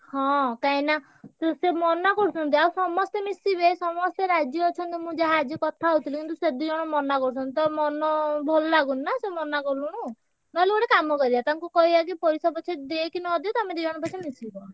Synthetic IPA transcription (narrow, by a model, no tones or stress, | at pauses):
hɔ̃kaĩna | t̪esemɔnakɔɽut͡ʃʰɔnt̪̬iausɔmɔst̪emisibesɔmɔst̪eɾad͡ʒjɔːt͡ʃʰɔnt̪imũd͡ʒaɦad͡ʒjɔkɔt̪ʰaɦut̪ʰilekint̪used̪iɔɽ̃ɔmɔnakɔɽut͡ʃʰɔnt̪it̪ɔmɔnɔbʱɔlɔlaɡunnasemɔnakɔluɽ̃u | nɔleɡɔɽekamɔkɔɾid̪at̪aŋkukɔɦibak̬ipɔɾisɔbɔt͡ʃʰed̪ekinɔd̪ot̪amed̪iɔɽ̃ɔpɔt͡ʃʰimisibɔ